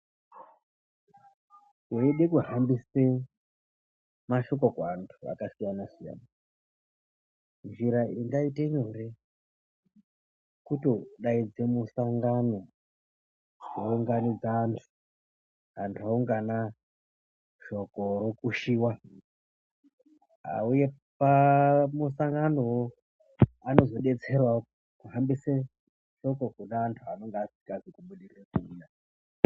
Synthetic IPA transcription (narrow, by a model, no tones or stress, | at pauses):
jeiɗe̞kuɦambise | maʃo̞k̬o̞kantʰua̰kasijanasija̰ːna | nʐiɾaiŋɡaiteɲore | kutoɗaid͡zemusaŋɡano̞ | ʐeuŋɡanid͡zaːntʰu̥ | ɦantʰuauŋɡana | ʃo̞ko̞ɾo̞kuʃiːwa | ɦa̰uje̞ | pamusaŋɡano̞wo | ano̞zo̞ɗe̞t͡se̞rwa | kuɦambise | ʃo̞ko̞kunaːntʰuano̞ŋɡeasi̥kaʐekuɓuɗirirekuja